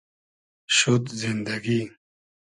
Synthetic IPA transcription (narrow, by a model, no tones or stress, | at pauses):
ɕud̪zind̪ɐɡi